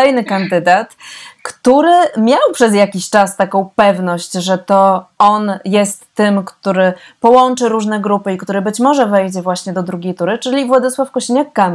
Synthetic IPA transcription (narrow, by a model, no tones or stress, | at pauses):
ɛjnɘkand̪ɘd̪at̪kt̪uɾɘmʲjawpʂɛzjakʲiɕt͡ʂast̪akɔ̃w̃pɛvnɔɕt͡ɕʐɛt̪ɔɔnjɛst̪ːɘmkt̪uɾɘpɔwɔnt͡ʂɘɾuʐnɛɡɾupɘikt̪uɾɘbɘt͡ɕmɔʐɛvɛjd͡ʑɛvwaɕɲɛd̪ɔd̪ɾuɡʲejt̪uɾɘt͡ʂɘlʲivwad̪ɘswafkɔɕiɲakːam